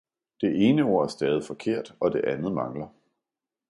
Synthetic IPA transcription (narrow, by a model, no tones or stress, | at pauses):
d̥e̝ʔe̝ːnəo̝ɐ̰æɐsd̥ɛːð̞ˠifɒ̽kʰe̝ɐ̰d̥ɒ̽d̥e̝ʔænð̞̩ˠmɑ̈ŋlɐ